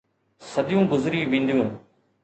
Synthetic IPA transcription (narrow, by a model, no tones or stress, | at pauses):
səɗ̪ɪjũːɡʊzɾiːʋẽːnd̪jũːɦn